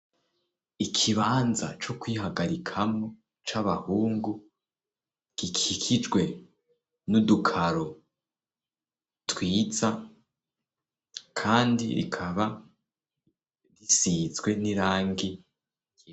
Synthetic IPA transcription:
ikʰiβaːnza̰t͡ʃo̞kwiːɦaɡaɾikʰamŋo̞ | t͡ʃaβahuːŋɡu | ɡ̥ikikʰid͡ʒɡwe̞ | nudukʰaɾo | twiːza | kʰaːndḭɾḭkʰaβa | ɾisizɡwe̞niɾaːŋɡi

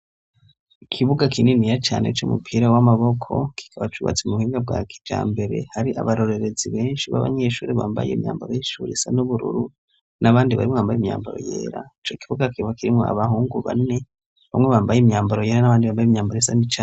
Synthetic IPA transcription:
ikʰiβuɡakʰininijat͡ʃa̰ːne̞t͡ʃomupʰiːɾawamaβo̞kʰo̞̰kʰi̥kʰaβat͡ʃuβa̰t͡semuuhiːŋɡab̚ɡaːki̥d͡ʒa̰ːmbe̞ɾe̞̰haɾiʔa̰βaɾo̞ɾe̞ɾe̞ziβeːnʃiβa̰βa̰ɲe̞ːʃuːɾeβaːmba̰jḛːmɲa̰ːmbaɾojeʃuɾisanuβuɾṵɾu | naβaːndiβa̰ɾimŋoβambajimɲa̰ːmbaɾo̰jḛːɾa̰it͡ʃoikʰiβuɡakiβakiɾimŋoa̰βaɦuːŋɡuβa̰ne̞ | βamŋeβaːmbajemɲaːmbaɾojeːɾanaβaːndiβaːmbajimɲaːmbaɾojesanit͡ʃa

